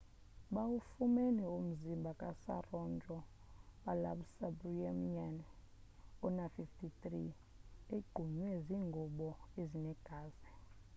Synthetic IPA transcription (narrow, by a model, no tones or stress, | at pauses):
ɓawufumɛnɛom̩zimbʱakʼasa̰rɔnd͡ʒʱɔ | ɓalaɓsabriaman | ɔnafiftʰit̪ʼri | eɡ͡ǃʱuɲwɛziːŋɡʱɔɓɔezinɛɡ̥ʱaːzɛ